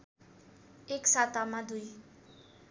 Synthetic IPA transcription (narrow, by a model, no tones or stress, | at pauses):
eksat̪amãd̪uj